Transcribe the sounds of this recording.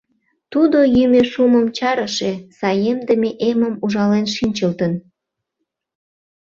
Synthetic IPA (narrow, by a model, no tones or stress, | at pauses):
t̪ud̪ojymeʃuməmt͡ɕɑɾəʃesɑjemd̪əmeʔeməmuʒɑlenʃinʲt͡ɕəlt̪ən